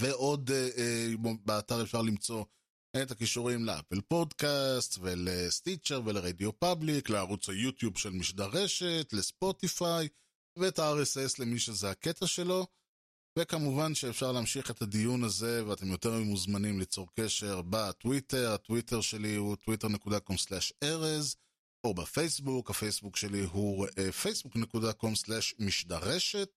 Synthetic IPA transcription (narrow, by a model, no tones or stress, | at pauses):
ve̞ʔo̞d̪e | beataʁefʃaʁlimt͡so̞ | ʔethakiʃuʁimlea̰pelpo̞dkastvelest̪it͡ʃeʁveleʁedio̞pablikleaʁut͡sajutjubʃe̞lmiʃdaʁe̞ʃe̞tlespo̞tifaj | veetaaʁesesle̞miʃezeake̞tʰaʃe̞lo̞ | ve̞kamuvanʃeːfʃaʁlaːmʃiχe̞thadijunaze̞veat̪e̞mjo̞te̞ʁmemuzmanimlit͡so̞ʁke̞ʃe̞ʁbatwite̞ʁatwitʰeʁʃe̞liutwite̞ʁnekudako̞mslɛʃeʁez | ʔo̞bafe̞jsbukhafe̞jsbukʃe̞liɦuefe̞jsbukne̞kudako̞mslɛʃmiʃdaʁe̞ʃe̞t̚